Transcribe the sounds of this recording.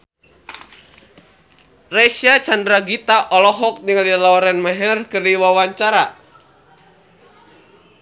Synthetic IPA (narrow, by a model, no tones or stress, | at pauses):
rɛsiat͡ʃandɾaɡit̪aʔɔlɔɦɔk̚niŋalilaɔɾɛnmaɦɛrkɨrdiwawaɲt͡ʃaɾa